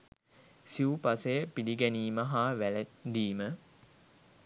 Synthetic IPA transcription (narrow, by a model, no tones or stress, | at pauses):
siupasejəpiliɡɛniːməɦaːʋæləd̪iːmə